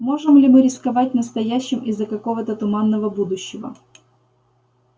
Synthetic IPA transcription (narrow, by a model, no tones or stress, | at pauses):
mo̞ʐɨmlʲɪmɨɾʲɪskɐvat̚ʲnəst̪ɐjæɕːɪmɪzːəkɐko̞vət̪ət̪ʊmanːəvəbud̪ʊɕːɪvə̰